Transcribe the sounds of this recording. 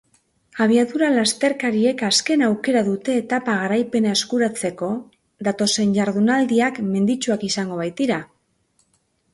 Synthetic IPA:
aβ̞iaðuɾalast̪e̞ɾkaɾie̞kaske̞nawke̞ɾaðut̪e̞ːt̪apaɣaɾajpe̞nae̞skuɾat͡se̞ko̞ | ðat̪o̞se̞ɲʝaɾðunald̪iakme̞nd̪it͡ʃuakisaŋɡo̞β̞ajt̪iɾa

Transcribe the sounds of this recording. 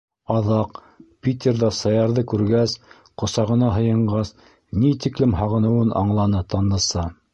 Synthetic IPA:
ɑðɑq | pʲit̪ʲerðɑsɑjɑɾðɤkʉɾɡæs | qŏsɑʁɤ̆nɑɦɤ̆jɤ̆ɴɢɑs | nit̪iklɘmɦɑʁɤ̆nɤ̆wɤnʔɑ̰ɴlˠɑnɤt̪ɑnːɤ̆sɑ

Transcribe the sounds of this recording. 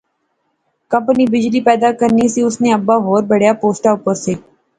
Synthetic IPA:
kɐ̃mpəniːbɪd͡ʒliːpɛːd̪akəɾnisiʊsneɐbːaɦoːɾbəɽ̤japoːsʈaʊpəɾseː

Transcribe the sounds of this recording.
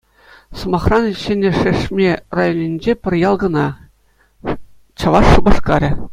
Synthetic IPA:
sŏmɑχrɑnɕɘ̆nʲɘ̆ʂɘ̆ʂmʲerɑjonʲinʲd͡ʑepʲɘ̆rʲjɑlˠɡɤ̆nɑ | t͡ɕɑ̆ʋɑʂːubɑʂkɑɾʲɘ̆

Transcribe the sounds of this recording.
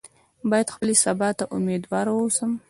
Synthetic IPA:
bɑjad̪xpəlisabɑt̪aʔʊmed̪wɑɾawəwsəm

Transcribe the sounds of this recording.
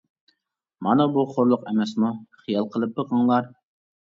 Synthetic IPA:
mɑnɨbuχoɾlˠʊqɛmɛsmuχijɑlˠqʰəlˠɨp̚b̪əʁɑŋlˠɑɾ

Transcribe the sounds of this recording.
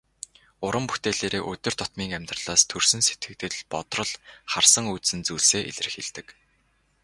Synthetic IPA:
ʊɾə̆mpu̥xt̪eːɮeːɾeːʔɵt̪ʲɵ̆r̥t̪ʰɔt̪miːŋæmʲt̪rə̆ɮ̥aːst̪ʰɵrsɵ̆nse̥t̪ɡɘ̆k̚t̪ɘ̆ɮpɔt̪rɞ̆ɮχarsə̆ŋut̪sɘ̆nt͡suːɮseːʔḛɮɘ̆rɘ̆xeɮt̪ɘ̆k

